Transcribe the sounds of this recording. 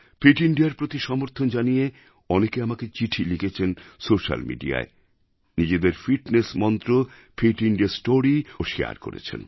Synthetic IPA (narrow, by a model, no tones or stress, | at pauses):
fiʈiɳɖijaɾpɾot̪iʃɔmoɾt̪ʰond͡ʑanije | ɔnekeamaket͡ɕiʈʰiliket͡ɕʰensoʃa̰lmḭɖḭa̰e | nid͡ʑed̪eɾfiʈnesmɔnt̪ɾo | fʰiʈiɳɖiasʈoɾioʃea̰ɾko̰ɾḛt͡ɕʰḛn